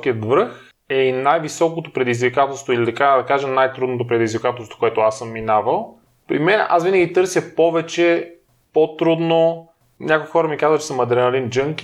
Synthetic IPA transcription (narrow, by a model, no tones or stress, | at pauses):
kiət̪vɾɤx | ɛinajvisɔkot̪opɾɛd̪izvikat̪əlˠst̪voilid̪ɐkad̪ɐkaʒɛnajt̪ɾud̪not̪op̬ɾɛd̪izvikat̪əlˠst̪vo̥koɛt̪ʊasɤmːinavəlˠ | pɾḭmɛnɛʔasvinəɡʲit̪ɤɾsʲjɐpɔvɛt͡ʃɛ | pot̪ɾud̪no | nʲakokixɔɾɐmikazvətt͡ʃɛ̥smːɐd̪ɾɛnɐlind͡ʒɤŋk